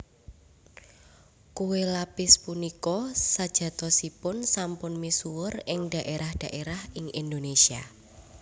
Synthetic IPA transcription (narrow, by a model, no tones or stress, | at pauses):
kuwelapɪspunikɔsad̥ʒ̥ä̤t̪ɔsipʊnsampʊnmisuwʊrɪŋd̥a̤ʔeɾahd̥a̤ʔeɾahɪŋind̪onesia